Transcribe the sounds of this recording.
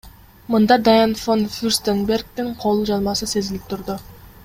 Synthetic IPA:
mɯnd̪ɑd̪ajanfonfʲyrst̪enberɡt̪iɴqʰo̞lˠud͡ʒɑnˠmɑsɯse̞zilip̚t̪ʰʊɾd̪ʊ

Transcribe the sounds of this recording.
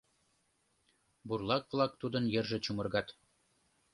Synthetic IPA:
burlˠɑkvlˠɑk̚t̪ud̪ɤ̆njɘ̆rʒɘ̆t͡ɕumɤ̆rɡɑt̪

